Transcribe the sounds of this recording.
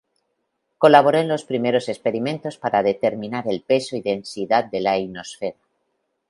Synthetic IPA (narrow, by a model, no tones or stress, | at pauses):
ko̞laβo̞ɾe̞nlo̞spɾime̞ɾo̞sespe̞ɾimẽ̞nt̪o̞spaɾaðe̞t̪e̞ɾmĩnaɾe̞lpe̞so̞iðe̞nsiðat̪̚d̪e̞laino̞sfe̞ɾa